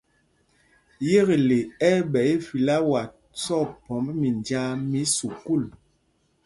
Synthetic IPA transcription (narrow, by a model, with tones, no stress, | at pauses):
je˦ɣe˨le˨ɛ˦ɓɛ˨˦e˦fi˨la˦wa˨ | sɔ˦˨pɔ˨˦mbmi˨nd͡ʒa˦mi˨˦su˨ku˦˨l